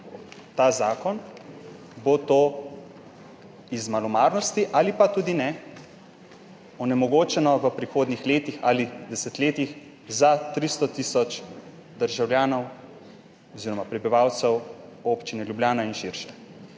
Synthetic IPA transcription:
t̪aːzaːkɔn | bot̪oː | izmalɔmaːɾnɔst̪iʔalipat̪uːd̪inɛ | ɔnɛmɔɡoːt͡ʃɛnɔʋəpɾixoːd̪nixleːt̪ixalid̪ɛsɛt̪leːt̪ix | zat̪ɾist̪ɔt̪isɔt͡ʃ | d̪əɾʒawlʲjaːnɔw | ɔziːɾɔmapɾɛbiʋawt̪sɛwoːpt͡ʃinɛljubljaːnainʃiɾʃɛ

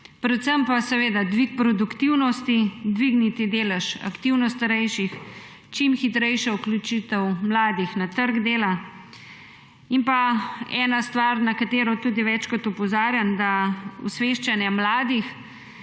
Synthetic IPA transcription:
pɾɛt̪səmpasɛʋeːd̪ad̪ʋik̚pɾɔd̪ukt̪iwnɔst̪id̪ʋiɡnit̪id̪eːlɛʃa̰kt̪iwnɔst̪aɾɛjʃix | t͡ʃimxit̪ɾɛjʃɛuklut͡ʃit̪ɛwmlaːd̪ixnat̪əɾɡd̪eːla | impaɛːnast̪ʋaɾnakat̪eːɾɔt̪uːd̪iʋɛt͡ʃkɔt̪ɔpɔzaːɾjamd̪aṵsʋeːʃt͡ʃanjɛmlaːd̪ix

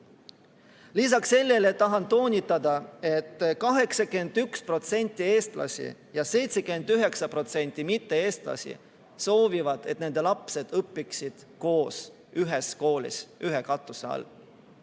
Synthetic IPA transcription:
lis̬ɑkse̞lːelet̪ɑɦɑnt̪o̞ːnʲit̪ːˑɑd̪̥ɑe̞t̪ːkɑɦe̞ksɑkyend̪ykspro̞t̪se̞nʲt̪ˑːie̞ːst̪lɑ̰sʲḭjɑse̞jt̪se̞kymend̪yɦe̞ksɑpro̞t̪se̞nʲt̪ˑːimit̪ːe̞e̞ːst̪lɑ̰sḭ | so̞ːvivɑd̪̥e̞t̪ne̞nd̪e̞lɑpse̞d̪̥ɤpːiksid̪̥ko̞ːs | yɦesko̞ːlḭsyɦekɑt̪ːˑuseɑ̰l

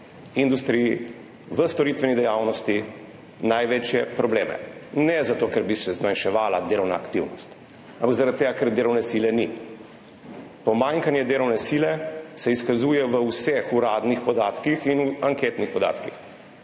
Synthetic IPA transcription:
ind̪ust̪ɾii | ʋəst̪ɔɾit̪ʋɛnid̪ɛjaːwnɔst̪i | najʋet͡ʃjɛpɾɔbleːmɛ̰nɛzat̪oːkɛɾbisɛzmanʃɛʋaːlad̪eːɾɔwna̰ːkt̪iwnɔst̪ | ampaɡzaɾat̪̚t̪ːeːɡakɛɾd̪eɾɔwnɛsiːlɛni | pɔmaŋkanjɛd̪eːɾɔwnɛsiːlɛsɛiskazuːjɛʋəwsɛxuɾaːd̪nixpɔd̪aːt̪kixinuaŋkeːt̪nixpɔd̪a̰ːt̪kix

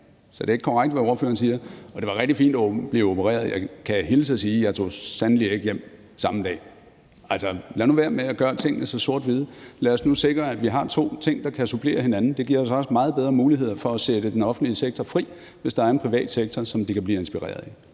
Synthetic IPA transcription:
sɒ̽d̥e̝e̝ɡ̥əkʰɒʁaɡ̥d̥ʋæoɐfø̰ːɐn̩s̬iːɐɒ̽d̥e̝ʋɑ̈ʁeɡ̥d̥ifḭːnd̥ɒb̥liopʰəʁɛ̰ːɐð̩ˠjɑ̈ɪkʰæɦiːləs̬esiːjɑ̈ɪt͡sʰo̝̰ːsænlide̝ɡ̥jem̰ | sɑ̈məd̥ɛ̰ː | ælsɒlæɐnuʋæːɐmeæɡ̥ɶːɐt͡sʰe̝ŋ̰nəsɒ̽so̝ɐ̰d̥ʋið̞ˠlæɒ̽snuse̝ɡ̥ʁɐæd̥ʋiɦɑ̈t͡sʰo̝̰ːt͡sʰe̝ŋ̰d̥ɑ̈kʰæsupʰle̝̰ːɐɦe̝nænn̩d̥e̝ɡ̥iɐɒ̽sɒ̽smɑ̈ːð̩ˠbeð̞ˠʁɐmuːliɦe̝ð̞̰ˠɐfɒ̽æsed̥əd̥enɒ̽fn̩d̥liseɡ̥̚t͡sʰɒfʁḭː | ʋe̝sd̥ɑ̈æɐenpʁiʋɛ̰ːd̥seɡ̥̚t͡sʰɐsɒ̽md̥ikʰæb̥liːe̝nsb̥iʁɛ̰ːɐðˠe

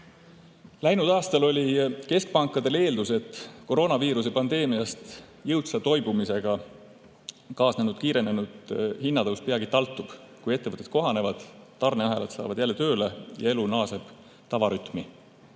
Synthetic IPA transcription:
læjnud̪̥ɑːst̪ɑlo̞lʲike̞sk̚pɑŋkːˑɑd̪̥e̞le̞ːld̪̥use̞t̪ːˑko̞ɾo̞ːnɑviːɾus̬e̞pɑnd̪̥e̞ːmiɑst̪ | jɤwt̪sɑt̪o̞jbumise̞ɡ̥ɑ | kɑːsne̞nud̪̥̚kiːɾe̞ne̞nud̪̥hinːɑd̪ɤwspiɑɡit̪ɑlt̪ːˑub̥kuje̞t̪ːevɤt̪ːˑet̪̚ko̞ɦɑne̞vɑd̪̥t̪ːɑrneɑɦelɑt̪sɑ̰ːvɑd̪jælːe̞t̪ø̞ːlejɑ̰e̞lunɑːse̞b̥ | t̪ɑvɑɾyt̪ˑmi

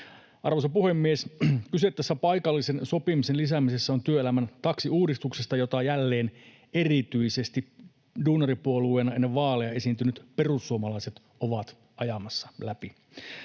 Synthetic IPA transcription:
ʔɑrʋosɑpuhemːieskyset̪ːæsːæpɑjkɑlːisenso̞pimisenlis̬æmise̞sːæont̪yøelæmænt̪ɑksiuːdist̪uksest̪ɑjo̞t̪ɑjælːe̞ːn | e̞rit̪yise̞st̪i | duːnɑripuolueːnɑenːeʋʋɑːleɑe̞sint̪ynyt̪pe̞rusːuomɑlɑiset̪ | oʋɑt̪ | ʔɑjɑmɑsːɑlæpi

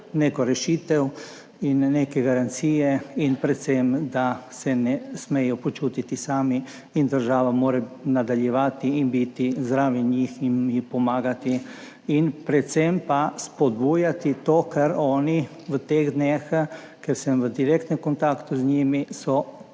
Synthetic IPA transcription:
neːkɔɾɛʃiːt̪ɛw | inːeːkɛɡaɾant̪siːjɛinpɾɛt̪semd̪asɛnɛsmejɔpɔt͡ʃuːt̪it̪isaːmi | ind̪əɾʒaːʋamoːɾɛnad̪aljɛʋaːt̪iinbit̪izd̪ɾaːʋiɲiːxinipɔmaːɡat̪iː | npɾɛt̪sempaspɔd̪buːjat̪it̪oːkɛɾɔːni | ʋət̪eɣd̪neːx | kɛɾsɛmʋəd̪iɾekt̪nɛmkont̪akt̪uzɲiːmisɔ

